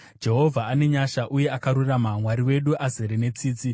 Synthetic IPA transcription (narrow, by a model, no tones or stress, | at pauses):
d͡ʒe̞ɦo̞vʱaane̞ɲaʃaʔuje̞akaɾuramamwaɾiwe̞ɗuʔazeɾene̞t͡siːt͡si